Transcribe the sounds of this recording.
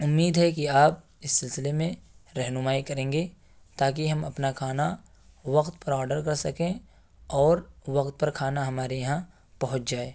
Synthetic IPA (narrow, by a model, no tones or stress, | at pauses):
ʊmːiːd̪ɦɛkiaːp̚ | ɪsːɪlsɪlemẽɾɛɦnʊmaːikɐɾẽːŋɡe | t̪aːkiɦɐmɐpnakʰaːna | ʋɐqt̪pɐɾɔːɾɖəɾkɐɾsɐkẽ | ɔːɾʋɐqt̪̚pɐɾkʰaːnaɦɐmaːɾejɐɦã | pɐɦʊ̃t͡ʃd͡ʒaːeː